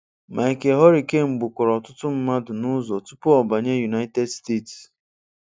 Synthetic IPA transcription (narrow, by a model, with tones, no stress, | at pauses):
mʔa˨e˨ke˨ɦɔ˦ɾi˨ke˦ŋ͡m̩˨ɡ͡bʊ˨kʷɔ˨ɾɔ˨tʊ˦tʊ˦m̩˦ma˦dʊ˨nʊ˦zɔ˨tu˦pʊ˦ɔ˨ba˨ɲe˦ju˨na˦te˦dste˦˨ts